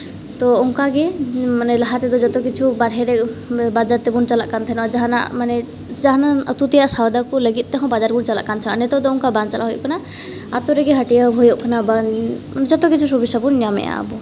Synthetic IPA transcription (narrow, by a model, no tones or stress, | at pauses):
t̪ɔɔŋkaɡɛmanɛlaɦat̪ɛd̪ɔd͡ʒɔt̪ɔkit͡ʃʰubaɽɦɛɾɛbad͡ʒaɾt̪ɛbunt͡ʃala̰ʔkant̪ʰɛnɔad͡ʒaɦana̰ʔmanɛ | d͡ʒaɦanaət̪ut̪ijaʔsawd̪akɔləɡit̪̚ˀt̪ɛɦɔ̃bad͡ʒaɾbunt͡ʃala̰ʔkant̪ʰɛnaʔnɛt̪ɔd̪ɔɔŋkabant͡ʃala̰ɦɔjɔ̰ʔkana | at̪ɔɾɛɡɛɦəʈijabɦɔjɔʔkanaba | d͡ʒɔt̪ɔkit͡ʃʰusubisabunɲamɛ̰ja̰bɔ